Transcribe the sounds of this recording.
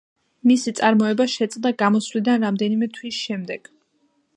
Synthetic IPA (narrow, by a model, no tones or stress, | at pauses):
misit̪sʼaɾmɔɛbaʃɛt̪sʼd̪aɡamɔswlid̪anɾamd̪ɛnimɛt̪ʰwisʃɛmd̪ɛɡ̥